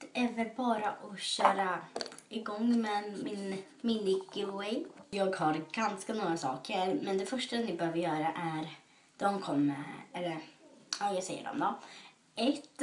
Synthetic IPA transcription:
ɛvəɾbɑːɾaʔɔɕœːɾaɪɡɔŋːmɛmɪn | mɪnlɪkːəwɛjjɑːɡhaɾɡ̥anskanuːɾasɑ̰ːkʰəɾmɛnd̪ɛfœʂʈanɪbɛhøːvəɾjœːɾaʔæɾ | d̪̥ɔmkʰɔmːəɾɛlːəɾajɑɡsɛjːə̰ɖɔ̰md̪ɔ | ɛt̪

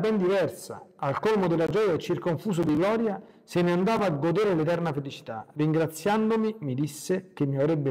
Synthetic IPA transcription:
bɛnd̪ivɛrsa̰alkolmod̪elːad͡ʒɔːjaɛt͡ʃːirkoɱfuːs̬od̪iɡlɔːɾja | seneand̪aːvaːɡːod̪eːɾelet̪ɛrnafelit͡ʃi̥t̪a̰rːiŋɡɾat̪sːjand̪omimid̪isːek̟emːiavɾɛbːe

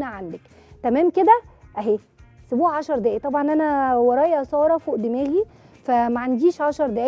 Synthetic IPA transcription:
næʕand̪æk | t̪æmæːmked̪æʔæɦeː | sobuːʕaʃɑɾˤd̪æːʔit̪ˤɑbʕɑnʔænæwɑɾˤɑːjʔsˤɑːɾˤɑfoʔd̪emæːɣi | fæmæʕand̪iːʃʕɑʃɑɾˤd̪æ

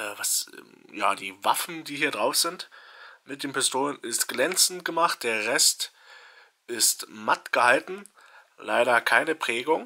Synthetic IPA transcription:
ʔvasja̰ːdḭːvafn̩diːhiːɐdʁaʊfz̥ɪntmɪt̚d̥eːnpɪstʰoːlənɪstɡ̥lɛnt͡sn̩t̚ɡ̥əmaχt̚d̥eːɐʁɛst | ʔɪstmatɡ̥əhaltn̩ | laɪɾɐkʰaɪnəpʁ̥ɛːɡʊŋ

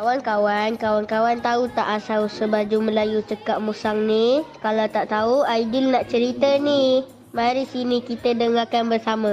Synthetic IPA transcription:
kawankawankawankawant̪aut̪aʔasawsəbad͡ʒumə̃lajut͡ʃəkaʔ̚musaŋnikalawt̪aʔt̪auaidɪlnaʔt͡ʃəɾit̪əni | maɾisinikit̪ədəŋakanbərsama

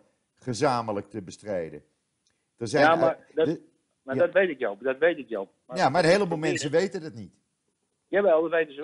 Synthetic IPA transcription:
χəzaːmələk̚təbəstrejdə̰ | d̥ɔzɛma | dd | madɔtʋejtɪkjɔlˠdɔtʋejtɪkjɔlˠ | mjamaənɦeːəlˠəbulˠmɛnsəʋejtədɔtnit | jaʋɛlˠɔtʋejtəsə

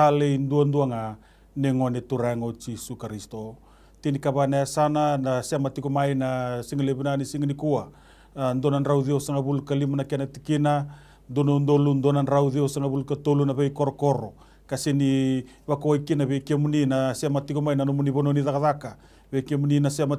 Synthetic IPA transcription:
alejnduanduaŋa | neŋoanetuɾaeŋot͡ʃisukaɾisto̞ | tinikaβanaeasananaseamatikomajnasiŋaleβunanisiŋanikua | ndonanɾawðiosaŋaβulukalimanakenatikina | ndonondolundonanɾawðiosaŋaβulukatolunaβejko̞ɾoko̞ɾo̞ | kasini | βakoajkinaβejkemuninaseamatikomajnanomuniβononiðakaðaka | βejkemuninaseama

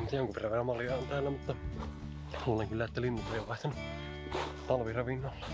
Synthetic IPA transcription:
mut̪ːjoŋkuperæʋʋerɑmmɑljɑont̪æːlːæmut̪ːɑ | huoleŋkylːæet̪ːælinːulːeˑijoʋʋɑˑist̪ɑnu | t̪ɑlʋirɑʋinːɑːlː

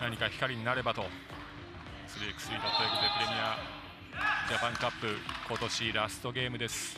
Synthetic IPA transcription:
naɲ̟ikaçi̥kaɾʲiɲ̟inaɾe̞bat̪o̞ | sɨɾɯekɯ̟̥sɨit̪at̪oekod̪epɯɾe̞mʲia | d͡ʑapãŋkapːɯ̟ko̞t̪o̞ɕiɾasɨ̥t̪o̞ɡʲe̞ːmɯ̟d̪e̞sɨ̥

